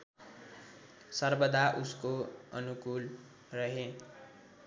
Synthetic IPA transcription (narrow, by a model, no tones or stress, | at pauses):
sʌrbʌd̪ʱaʔuskoʌ̰nukul | rʌɦe